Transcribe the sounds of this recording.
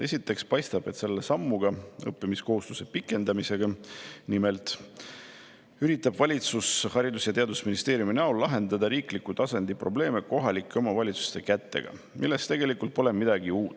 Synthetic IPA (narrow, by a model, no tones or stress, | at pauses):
e̞sʲit̪ːˑe̞kspɑjst̪ɑb̥e̞t̪se̞lːe̞sɑmːuɡ̥ɑɤ̰pːimisko̞hust̪u̥se̞pikːˑe̞nd̪ɑmise̞ɡ̥ɑnime̞lt̪ˑ | yɾit̪ːˑɑbvɑlʲit̪sushɑɾid̪usjɑt̪e̞ɑd̪usminist̪e̞ːɾjuminɑullɑɦe̞nd̪ɑd̪ɑɾiːklikːut̪ɑsɑnd̪̥ipro̞ble̞ːme̞ko̞ɦɑlikːˑeomɑvɑlʲit̪su̥st̪e̞kæt̪ːe̞̰ɡ̥ɑ̰ | mʔilːest̪e̞ɡe̞likult̪̚po̞le̞mid̪ɑɡiuːt̪ːˑ